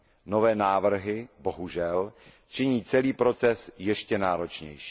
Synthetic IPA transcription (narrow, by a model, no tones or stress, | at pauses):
novɛːnaːvr̩ɦɪbo̞ɦuʒɛl | t͡ʃɪɲiːt͡sɛliːpɾo̞t͡sɛsjɛʃcɛnaːɾo̞t͡ʃɲɛ̰jʃi̥ː